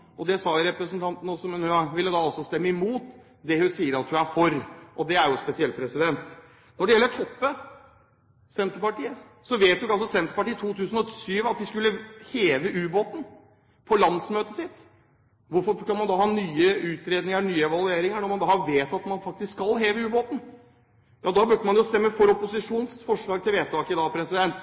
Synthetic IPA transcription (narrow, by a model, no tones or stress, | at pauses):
ɔd̪ɛsɑːɾɛpɾəsn̩t̪ʰɑnt̪n̩ɔsɔmɛnhʉɑʋɪlːəd̪ɑːɑlsɔst̪ɛmːəɪmuːt̪ | d̪ɛhʉnsiːəɾɑt̪hʉæɾfɔɾʔɔd̪ɛæɾjʊspɛsɪɛl̚pʰɾɛsɪd̪ɛnt̪ | nɔɖɛjɛlːəʈʰɔpːə | sɛnt̪əɾpɑʈiːə | sɔʋeːt̪̚d̪ʉɑlsɔsɛnt̪əɾpɑʈiːət̪ʰuːt̪ʰʉːsən̩ɔt̪ʰsyːʋɑt̪̚d̪ɪskʉlːəheːʋəʔʉːboːt̪n | pʰɔlɑnd̪smøːt̪əsɪt̪ː | ʋʊɾfɔɾkɑnmɑnd̪ɑːhɑːnyːəʉːt̪ɾeːd̪nɪŋənyːəɛʋɑlˠʉeːɾɪŋəɳɔɾmɑnd̪ɑːhɑʋeːt̪ɑt̪mɑnfɑk̚t̪ɪsksɑlɦeːʋəʉːboːt̪n̩ | jɑːd̪ɑːbʉɖəmɑnjʊst̪ɛmːəfɔɾɔpʊsɪʂuːnsfɔʂɭɑːɡ̚t̪ʰɪlʋeːt̪ʰɑːkəd̪ɑːpʰɾɛsɪd̪ɛnt̪